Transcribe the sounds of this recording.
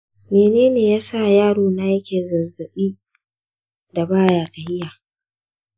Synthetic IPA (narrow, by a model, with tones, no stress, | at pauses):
meː˨neː˦neː˨jaː˦sa˦˨jaː˦ɽoː˨na˦jɐ˦kʲeː˨zɐ˨zɐ˨ɓiː˦ | da˨baː˦jaː˨ta˨hɪ˦jaː˨